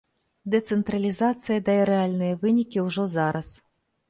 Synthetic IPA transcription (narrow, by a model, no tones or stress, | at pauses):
d̪ɛt̪sɛnt̪ɾɐlʲizat̪sɨjɐd̪ɐjɛɾɛalʲnɨjɐvɨnʲikʲiwʐɔzaɾʔɐs